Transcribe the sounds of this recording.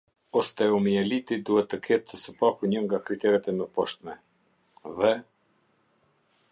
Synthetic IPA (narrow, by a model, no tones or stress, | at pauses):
ɔst̪ɛumiɛlit̪id̪uɦɛt̪ːəkʰɛt̪ːəsəpakuɲəŋɡakɾit̪ɛɾɛt̪ɛmɛpɔʃt̪mɛ | vɛ